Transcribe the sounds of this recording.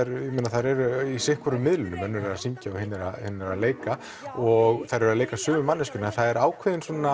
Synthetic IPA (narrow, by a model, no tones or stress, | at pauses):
ɛɾɪmenaθaðɾɛɾʏisɪhkʰvɔɾʏmːɪðlʏnʏmœnːʏɾasiɲcaɔhɪnːɪɾa̰hɪnːɪɾaleːjka | ɔɣθaðɾɛɾaleːjkasʏːvʏmanːɪscʏnanθaðɛɾaːwkʰvɪðɪnsɔna